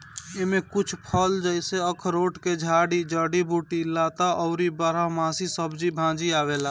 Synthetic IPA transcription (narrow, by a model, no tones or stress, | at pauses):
emẽkʊt͡ʃʰpʰəld͡ʒəɪseəkʰɾoːʈked͡ʒʱaːɽid͡ʒəːɽibuːʈilaːt̪aʔɔʊɾibəɾamãːsisəbd͡ʒibʱãːd͡ʒiaːʋela